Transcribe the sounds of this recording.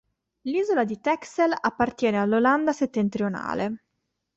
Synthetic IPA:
liːzolad̪it̪ɛkselapːart̪jɛːnealːoland̪aset̪ːent̪ɾiona̰ːle

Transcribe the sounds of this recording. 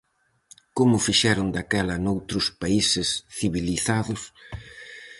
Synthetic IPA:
komʊfiʃɛɾʊnd̪akɛlɐnowt̪ɾʊspaisɪsθiβiliθaðʊs

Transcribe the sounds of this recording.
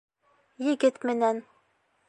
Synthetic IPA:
jɘ̆ɡɘt̪mɘ̆næn

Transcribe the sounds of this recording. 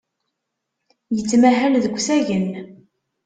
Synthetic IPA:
jət͡sːmæɦælðəɡʷsæʝən

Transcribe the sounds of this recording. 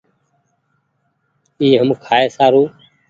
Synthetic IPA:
iːɦəmkʰaːeːsaːɾuː

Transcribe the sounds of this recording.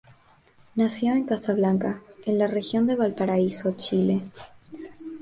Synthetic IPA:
nasjo̞e̞ŋkast̪aβlaŋkaenlarexjo̞nd̪e̞βalpaɾaisot͡ʃile

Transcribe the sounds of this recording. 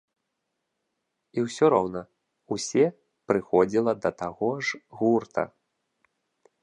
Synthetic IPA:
iwsʲɔɾɔwnɐ | usʲɛ | pɾɨxɔd͡zʲilˠɐd̪ɐt̪aɣɔʐɣurt̪ʰɐ̰

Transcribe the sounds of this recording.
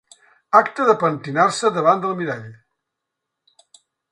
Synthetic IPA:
akt̪əðəpənt̪inarsəðəβ̞and̪əlˠmiɾaʎ

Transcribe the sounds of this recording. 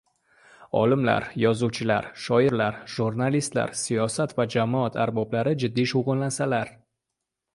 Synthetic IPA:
ɒ̰lɪmla̰ɾjɒzuwt͡ʃʰɪlaɾʃɒɪɾlaɾʒ̥uɾnalist̪la̰ɾsijɒsat̪vad͡ʒamɒat̪ʰaɾbɒblaɾɪd͡ʒɪd̪ːiʃowʁʊnlansalaɾ

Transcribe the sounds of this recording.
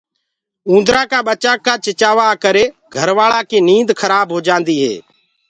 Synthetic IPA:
ũːnd̪ɾãːkaːɓət͡ʃaːkːaːt͡ʃɪt͡ʃaːʋaːkəɾeːɡʱəɾʋaːɭaːkeːniːnd̪kʰəɾaːbɦoːd͡ʒãːnd̪iːɦḛː

